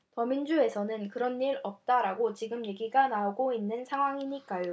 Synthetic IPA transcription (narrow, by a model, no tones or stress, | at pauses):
tʌmind͡ʑue̞sʰʌnɯnkɯɾʌnːiɾʌp̚t͈aɾaɡot͡ɕiɡɯmje̞ɡiɡanaoɡoinːɯnsʰaɦwaŋiɲik͈ajo